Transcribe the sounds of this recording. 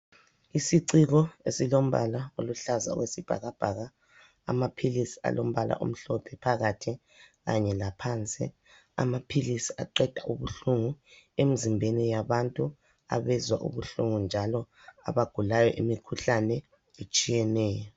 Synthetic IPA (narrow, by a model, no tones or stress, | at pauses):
isiǀiɣɔesilom̩βa̰laoluɬaza̰wesib̥ʱa̰ɣab̥ʱaɣa | a̰mapʰilisi̥a̰lʔom̩βala̰ʔṵm̩ɬɔpʰɛpʰaɣatʰi | ɣaɲɛlapʰant͡sʼḭ | a̰mapʰilisiaǃɛd̥ʱaʔuβuɬuŋu | em̩zimbʱenijaβantʼu | a̰βɛzwa̰ʔṵβuɬuŋund͡ʒʱalɔ | a̰βaɡ̥ʱulajɔʔimikʰuɬanɛ | et͡ʃʼijɛnɛːjɔ